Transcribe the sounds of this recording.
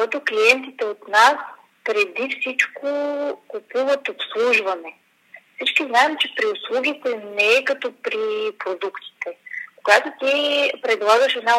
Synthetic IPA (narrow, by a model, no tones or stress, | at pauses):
ɔt̪okliɛnt̪it̪ɛot̪nas | pɾɛd̪ifsit͡ʃkokupuvət̪opslˠuʒvɐnɛ | fsit͡ʃkiznaɛmt͡ʃɛpɾiʊslˠuɡ̟ʲit̪ɛnɛɛkɐt̪ɔpɾipɾod̪ukt̪i̥t̪ɛkoɡat̪ot̪ipɾɛd̪lˠaɡəʃɛd̪na